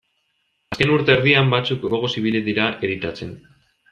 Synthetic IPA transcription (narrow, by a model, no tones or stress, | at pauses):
aske̞nuɾt̪e̞ːɾðiambat͡sukɡo̞ɣ̞o̞siβ̞iliðiɾaʔeɾit̪at͡se̞n